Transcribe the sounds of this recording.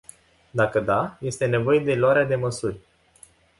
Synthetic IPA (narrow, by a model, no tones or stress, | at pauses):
d̪akəd̪aje̞st̪e̞ne̞vo̞je̞d̪e̞loaɾead̪e̞məsurʲ